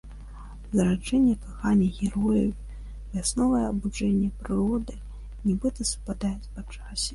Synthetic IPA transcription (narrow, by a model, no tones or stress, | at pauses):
zɐɾad͡ʐɛnʲːɛkaxanʲɛɣʲɛɾɔjiw | vʲasnɔvɐjɛɐbud͡ʐɛnʲːɛpɾɨɾɔd̪ɨ | nʲɛbɨt̪ɐsu̥pad̪ajɛt͡sʲpat͡ʂasʲɛ̥